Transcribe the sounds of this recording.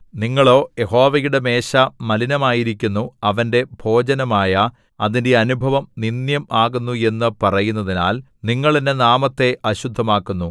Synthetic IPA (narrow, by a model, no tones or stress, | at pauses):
niŋːɐɭo̞ːje̞ho̞ːʋɐjuɽe̞me̞ːɕɐmɐlinɐmaːjiɾikʲːunːuɐʋɐnde̞bʱo̞ːd͡ʑɐnɐmaːjɐ | ɐðinde̞ɐnubʱɐʋɐmninjɐmaːɣunːue̞nːɨpɐrɐjunːɐðina̰ːl | niŋːɐɭindenaːmɐt̪ːe̞ɐɕud̪ʱːɐmaːkːunːu